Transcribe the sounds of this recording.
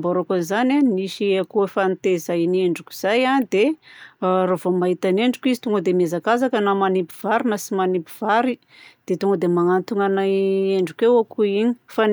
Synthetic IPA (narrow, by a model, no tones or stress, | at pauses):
mboɾokanzananiʃiakuefant̪ezaneɳɖ͡ʐukʲu̥z̥ajand̪e | ɾavomaɦit̪aneɳɖ͡ʐukizi̥t̪uŋɡəd̪emezakazakənamanipiv̥aɾinəsimanipiv̥aɾi | d̪̥et̪uŋɡəd̪emaŋant̪uŋanaeɳɖ͡ʐukewakuiɲi̥fan